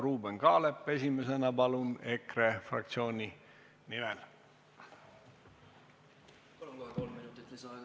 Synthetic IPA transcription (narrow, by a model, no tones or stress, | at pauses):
ɾuːbe̞nkɑːlepːˑe̞s̬ʲime̞se̞nɑpɑlume̞kre̞frɑ̰k̚t̪sio̞ːnʲi | nimɛl